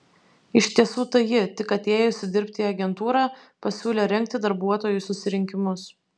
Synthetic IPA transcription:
ɪʃʲt̪ʲiɛsuːt̪ɐjɪt̪ʲɪkɐt̪ʲeːjʊsʲɪd̪ʲɪɾʲpʲt̪ʲiːɐɡʲɛnt̪uːɾɑː | pɐsʲuːlʲeːɾʲɛŋʲk̚t̪ʲɪd̪ɐɾbuɔt̪oːjʊsʊsʲɪɾʲɪŋʲkʲɪmʊs

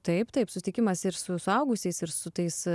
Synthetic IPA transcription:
t̪ɐɪpt̪ɐɪpsʊsʲɪt̪ɪkʲɪmɐsɪɾsʊsʊɐʊɡʊsʲɛɪsɪɾsʊt̪ɐɪs

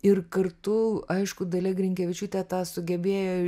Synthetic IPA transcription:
ɪrkɐrt̪ʊɐɪʃkʊd̪ɐlʲɛɡrʲɪŋʲkʲɛʋʲɪt͡ʃʲut̪ʲɛt̪ɑːsʊɡʲɛbʲeːjoː

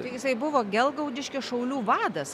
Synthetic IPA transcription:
t̪ɐɪjɪsɐɪbʊʋoːɡʲɛlˠɡɐʊd̪ʲɪʃʲkʲɪsʃɐʊlʲuːʋɑːd̪ɐs

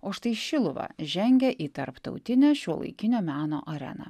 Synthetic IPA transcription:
oːʃt̪ɐɪʃʲɪlˠʊʋɑ̰ʒʲɛŋʲɡʲɛʔiːt̪ɐɾpt̪ɒ̰ʊt̪ʲɪnʲæːʃʲoːlˠɐ̰ɪkʲɪnʲoːmʲæːno̰ːʔɐɾʲɛ̰nɐ̰ː

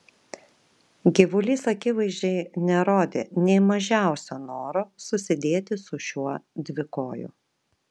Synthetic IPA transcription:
ɡʲɪʋʊlʲiːsɐkʲɪʋɐɪzʲd͡ʒʲɛɪnʲɛɾoːd̪ʲḛːnʲɛɪmɐʒʲæˑʊsʲoːnoːɾoːsʊsʲɪd̪ʲeːt̪ʲɪsʊʃʲuɔd̪ʲʋʲɪkoːjʊ̰

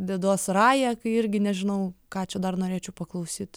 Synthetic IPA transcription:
d̪ʲɛd̪oɔsrɑːjɛkɐɪɪɾʲɡʲɪnʲɛʒʲɪnɐʊkɑːt͡ʃʲɛd̪ɐrnoːɾʲeːt͡ʃʲɛʊpɐklˠɐʊsʲiːt̪

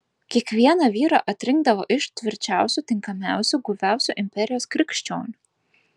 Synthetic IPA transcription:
kʲiɛkʋʲiɛnɑʋʲiːɾɑ̰ʔɐt̪ʲɾʲɪŋɡ̚d̪ɐʋoːʔɪʃt̪ʲʋʲɪɾʲt͡ʃʲæˑʊsʲuːˑt̪ʲɪŋkɐmʲæˑʊsʲuˑɡʊʋʲæˑʊsʲuːʔɪmʲpʲɛɾʲɪjoːskɾʲɪkʃʲt͡ʃʲoːnʲu

